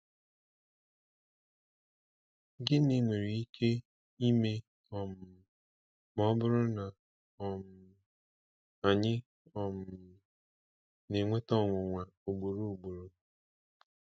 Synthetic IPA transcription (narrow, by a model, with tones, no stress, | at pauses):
ɡɪ˦ni˦ŋʷe˨ɾi˨i˦kʰe˦ | i˦me˦ | ɔ˨m̩˨ | m˦ɔ˦bʊ˦ɾʊ˦na˨ | ɔ˨m˨ | a˨ɲɪ˦ | ɔ˨m˨ʊ˨ | ne˨ŋʷe˦tɔ˦˨ŋʷʊ˨ŋʷa˨o˨ɡ͡bo˨ɾu˦o˨ɡ͡bo˨ɾo˨